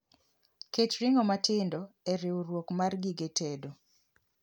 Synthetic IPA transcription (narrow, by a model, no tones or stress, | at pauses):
ket͡ʃɾɪŋɔmatɪndɔɛɾɪwuɾwokmarɡiɡetedo